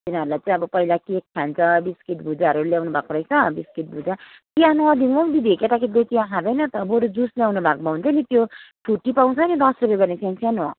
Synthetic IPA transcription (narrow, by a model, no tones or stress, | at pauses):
t̪inaʌɾulajt͡sʌ̃ĩʌbʌpʌilakikk̪ʰjant͡sʰʌbiskiʈ̪bʱud͡zaʌɾuljawnubʱakoɾʌjt͡sʰʌbiskit̪̚bʱud͡za | t̪iãnud̪inʌw̃d̪id̪iekjet̪akid̪et̪iãɦãd̪ʌjnʌt̪ʌboɾud͡zusljawnubʱak̚bʱʌũnt͡sʌnit̪joʈʰuʈːipaw̃t͡sʰʌnid̪ʌsrup̬jeɡʌrnesãnsʰijãnɔ̃